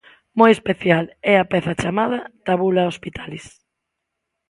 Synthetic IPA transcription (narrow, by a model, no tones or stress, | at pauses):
mojespeθjalɛɐpɛθɐt͡ʃamaðɐt̪aβulaospit̪ʰalɪs